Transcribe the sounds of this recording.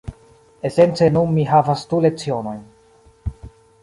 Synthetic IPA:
e̞sent͡se̞nunmiɦavastule̞kt͡sio̞no̞jn

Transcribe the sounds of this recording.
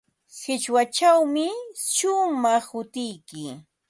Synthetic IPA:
hɪt͡ʃwat͡ʃawmɪʃʊmɑχhʊt̪ɪjkɪ

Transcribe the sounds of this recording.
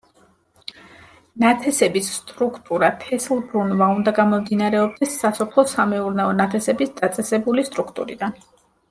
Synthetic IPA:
nat̪ʰɛsɛbisːt̪ʼɾukʰt̪ʼuɾap̪ʰɛslˠbɾunvaund̪aɡamɔmd̪inaɾɛɔb̚d̪ɛsːasɔpʰlˠɔsamɛuɾnaɔnat̪ʰɛsɛbisd̪at̪sʼɛsɛbulist̪ʼɾukʰt̪ʼṵɾḭd̪an

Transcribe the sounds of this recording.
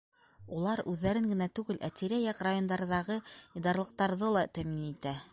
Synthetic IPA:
ulˠɑɾʉðːæɾɘŋɡɘ̆næt̪ʉɡɘlʔæ̰t̪iɾæjɑqɾajond̪ɑɾðɑʁɤid̪ɑɾlˠɤ̆q̚t̪ɑɾðɤlˠɑt̪æminit̪æ

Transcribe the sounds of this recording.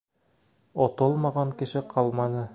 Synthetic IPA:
ot̪olˠmɑʁɑŋkɘ̆ʃɘqʰɑlˠmɑnɤ

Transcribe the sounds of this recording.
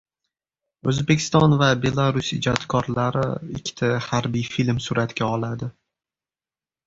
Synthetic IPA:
ɵzbekʲʰɪ̥st̪ɒnvabe̞lˠaɾʊsɪd͡ʒɒt̪kʰɒɾlaɾɪ̰ɪkʲʰːɪ̥t̪ʰahaɾbijfilmsʊɾat̪ɡʲaɒlad̪ɪ

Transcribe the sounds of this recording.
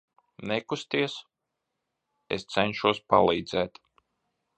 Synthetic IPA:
nɛkust̪iɛs | ḛst̪sɛnʲʃuɔspa̰lˠiːd̪zɛːt̪

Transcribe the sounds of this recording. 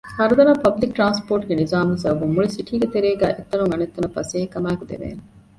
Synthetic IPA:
hɐɾud̪ɐnaːpɐblik̚ʈɾaːnspoːʈuɡenizaːmezɐbumːuɭisiʈʰiːɡɐt̪eɾeːɡæːʔet̪ːɐɾuŋɐnet̪ːɐnɐfɐseːɦekːɐmaːkud̪ḛʋḛːn

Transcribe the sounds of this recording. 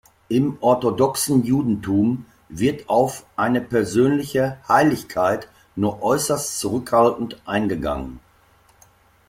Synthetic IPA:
ʔɪmʔɔɐtodɔksn̩juːdn̩tʰuːm | vɪɐtaʊfʔaɪnəpɛɐzøːnlɪçəhaɪlɪçkʰaɪt | nuːɐʔɔʏsɐstt͡suʁʏkhaltn̩tʔaɪnɡəɡa̰ŋən

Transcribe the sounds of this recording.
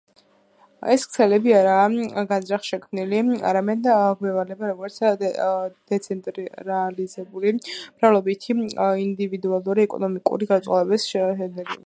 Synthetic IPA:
ɛskʰsɛlɛbiaɾaːɡazɾaχʃɛkʰmnilia̰ɾamɛd̪ɡwɛvalɛbaɾɔɡɔɾt̪s | d̪̥ɛt̪sʰɛnt̪ʼɾɾɛalizɛbulib̥ɾalˠɔbit̪ʰiind̪ivid̪ualˠuɾiɛkʼɔ̰nɔmikʼṵɾiɡat̪sʼa̰vɛbisʃɛnɛɡḭ

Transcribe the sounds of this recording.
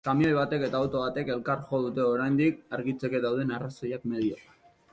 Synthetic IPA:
kamiojβ̞at̪e̞ke̞t̪aot̪o̞βat̪e̞ke̞lkaɾʝo̞ð̞ut̪e̞o̞ɾajnd̪ikaɾɣit͡se̞ke̞ðawð̞e̞narasojakme̞ðio̰

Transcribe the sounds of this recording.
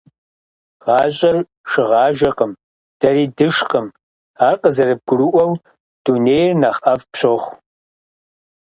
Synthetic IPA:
ʁɑːɕʼɐr | ʃɪʁɑːʒɐqəm | d̥ɐriːdɨʂqəm | aːrqəzɐɾɨb̚ɡʷʊruʔʷɐw | d̥uːneːjrnaːχʔɐfpɕʰoχʷ

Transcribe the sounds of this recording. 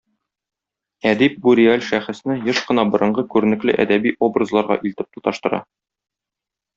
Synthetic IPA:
æd̪ip̚buɾʲiælʲʃæχɘ̆snɘjɤʃqɤ̆nɑbɤ̆ɾʔɤ̆ɴɢɤkʉɾɘ̆nɘ̆klɘ̰ʔæ̰d̪æbiʔobrɤzlˠɑɾʁɑ̰ʔilt̪ɘ̥p̚t̪u̥t̪ɑʃt̪ɤ̆ɾɑ̰

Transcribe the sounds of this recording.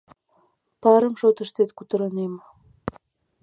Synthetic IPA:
pɑɾəmʃot̪əʃt̪et̪kut̪ə̆ɾənem

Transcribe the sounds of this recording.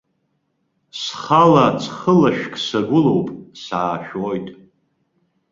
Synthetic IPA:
sχalat͡sʰʼχəlaʃᶣkʰʼsaɡʷʊlo̞wpʼsaːʃᶣoːjtʼ

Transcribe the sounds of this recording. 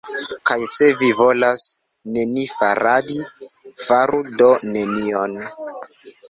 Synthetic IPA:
kajse̞vivo̞las | ne̞nifaɾadifaɾudo̞ne̞nion

